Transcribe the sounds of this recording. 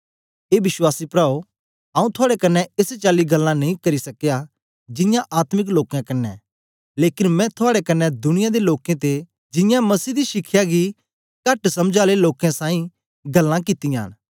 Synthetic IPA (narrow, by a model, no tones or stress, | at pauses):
eːbɪswaːsipɾaːo | ãːũt̪ʰʊaːɽekɐnːɛeset͡ʃaːliɡɐlːãnɐĩkɐɾisɐkja | d͡ʒɪ̃jãʔaːt̪mɪk̬loːkjãkɐnːɛ̰ | leːkɪnmɛ̃t̪ʰʊaːɽekɐnːɛd̪ʊnɪjad̪eloːkẽt̪e | d͡ʒɪ̃jãmɐsiːd̪iʃɪkʰːjaɡi | kɐʈsɐmd͡ʒaːleloːkãsãːĩ | ɡɐlːãkɪt̪ijã̰ːn